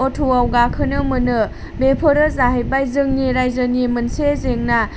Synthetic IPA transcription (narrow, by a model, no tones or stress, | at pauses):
otʰuawɡakʰɯnɯmɯnɯ | bepʰɯɾɯzaɦej̚bajzɯŋniɾajzɯnimɯnsezeŋna